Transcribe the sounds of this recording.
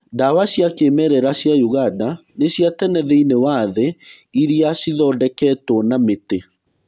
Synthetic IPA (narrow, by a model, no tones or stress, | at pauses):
dawaɕjakemɛɾɛɾaɕjajuɣadaneɕjatɛnɛðeinewaðɛiɾiasiðɔːdɛkɛtwɔnamete